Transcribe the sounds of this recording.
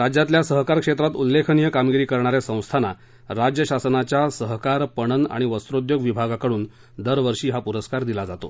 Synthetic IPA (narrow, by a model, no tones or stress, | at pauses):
ɾad͡ʑjat̪ljasəɦkaɾkʂet̪ɾat̪ulːekʰənijəkamɡiɾiːkəɾɳ̃aɾesə̃w̃st̪ʰana̰ | ɾad͡ʑjəɕasənat͡ɕjasəɦkaɾpəɽ̃əna̰ɽ̃iʋəst̪ɾod̪joɡʋibʱaɡakəɽuːn | d̪əɾʋəɾʂiːɦapuɾəskaɾd̪ilad͡zat̪o̰